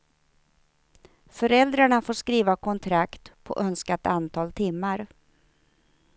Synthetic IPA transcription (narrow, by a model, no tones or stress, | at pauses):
fœɾɛld̪ɾaɳafoːʂkɾiːvakʰɔnt̪ʰɾakt̪pʰɔ̰ʔœnskat̪ant̪ʰɑːlt̪ʰɪmːaɾ